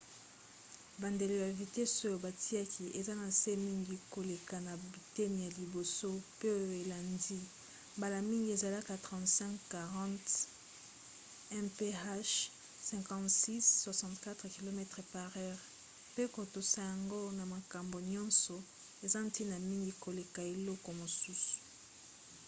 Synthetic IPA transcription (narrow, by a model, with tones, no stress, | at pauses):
ba˨nde˨le˨ja˨vi˨te˦so˦jo˨ba˨ti˦a˦kʰi˨ʔe˨za˦na˨se˦mi˦ŋɡi˦ko˨le˨ka˨na˨bi˨te˦n˨ja˨li˨bo˨so˦pe˦o˦jo˨e˨la˨ndi˦ | ba˨la˨mi˦ŋɡi˦e˨za˨la˦ka˨tɑ̃˨tsɛ̃˦ŋkka˨ʁɑ̃˦t | ɛ̃˦pe˦a˦ʃ | sɛ̃˨ŋkɑ̃˨tsi˦sːwa˨sɑ̃˨tka˦tʁki˨lo˨mɛ˦tʁe˨pa˨ʁɛ˦ʁ | pe˦ko˨to˨sa˨ja˨ŋɡo˦na˨ma˨ka˨mbo˨ɲɔ̃˦nsɔ˨ | e˨za˦n˦ti˦na˨mi˦ŋɡi˨ko˨le˨ka˨e˨lɔ˦kɔ˨mo˨su˦su̥˨